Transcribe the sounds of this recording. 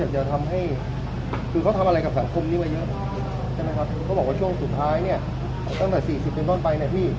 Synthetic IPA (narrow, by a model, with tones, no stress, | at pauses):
a˨˩t͡ɕa˨˩t̪ʰa˧mɦa˥˩j | kʰɯː˧kʰa˦˥wt̪ʰa˧mʔa˧ɾa˧jka˨˩p̚sa˩˦ŋkʰo˧mniː˦˥maː˧jɤ˦˥ʔ | t͡ɕʰa˥˩ma˦˥kʰa˦˥p̚kʰːɔː˥˩bɔː˨˩k̚waː˥˩u˥˩əŋsu˨˩t̪ʰːaː˦˥jni˥˩ɐ | t̪a˥˩ŋt̪ɛː˨˩siː˨˩si˨˩p̚ːe˧nt̪ɔː˥˩npa˧jna˧jpʰiː˥˩